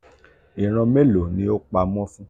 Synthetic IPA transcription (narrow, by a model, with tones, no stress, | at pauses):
i˨ɾ̃ɔ̃˧me˦lo˨nĩ˨˦o˦k͡pa˧mɔ̃˦fũ˦